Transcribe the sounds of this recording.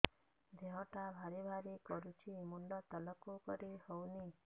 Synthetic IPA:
d̪ʱeɦɔʈabʱaɾibʱaɾikɔɾut͡ʃʰimuɳɖɔt̪əlɔkokɔɾihɔwni

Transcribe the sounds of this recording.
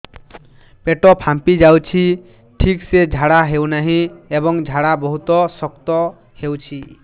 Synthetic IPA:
peʈɔpʰampid͡ʒawt͡ʃʰi | ʈʰiksed͡ʒʱaɽaɦewnaɦĩebɔŋd͡ʒʱaɽabɔɦut̪ɔsɔkt̪ɔ | hewt͡ʃʰi

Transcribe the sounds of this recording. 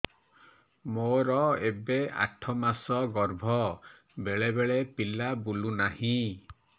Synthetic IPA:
moɾɔebea̰ʈʰɔmasɔɡɔɾbʱɔ | beɭebeɭepilabulunahĩ

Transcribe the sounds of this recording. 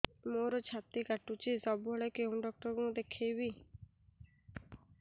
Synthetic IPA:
moɾɔt͡ʃʰat̪ikaʈut͡ʃisɔbuɦɔɭɔkeũɖɔk̚ʈɔɾɡũɔd̪ekʰejbi

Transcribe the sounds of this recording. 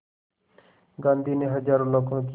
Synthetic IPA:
ɡãːnd̪ʱiːneɦəd͡ʒaːɾõlokʰːõki

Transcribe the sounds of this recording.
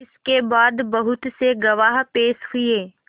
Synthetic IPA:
ɪskebaːd̪bɐɦʊt̪seɡɐʋaːɦpeːʃɦʊieː

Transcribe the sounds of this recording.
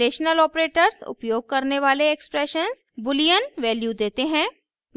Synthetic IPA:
eːʃnəlɔːpɾeːʈəɾzʊ̰pjoːɡ̚kɐɾneʋaːleekspɾɛːʃənz | bʊlijənʋɛːljud̪eːt̪eɦɛ̃ː

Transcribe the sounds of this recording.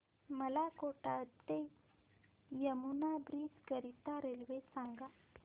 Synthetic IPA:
məlakoʈat̪ːe | jəmunabɾiːd͡zkəɾit̪aɾelʋesãŋɡa

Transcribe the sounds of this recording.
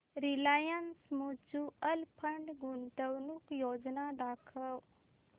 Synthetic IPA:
ɾilaːjansmut͡ʃuəlpʰəɳɖɡuɳʈ̪əwnukjoːd͡ʒnaɖ̪aːkʰəw

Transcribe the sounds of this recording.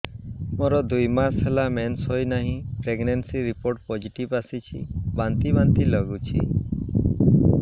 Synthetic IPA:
moɾɔd̪ujmasɦelamenshojnaɦĩpɾeɡnensiɾipoɾʈ̚pɔd͡ʒiʈibasit͡ʃʰibant̪ibant̪ilɔɡut͡ʃʰḭ

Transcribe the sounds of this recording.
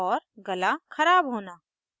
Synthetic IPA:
ɔːɾɡɐlakʰɐɾaːbɦoːna

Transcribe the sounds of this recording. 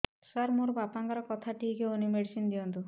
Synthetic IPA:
saɾmoɾbapaŋɡaɾɔkɔt̪ʰaʈikeonimeɽsind̪ijɔnt̪u

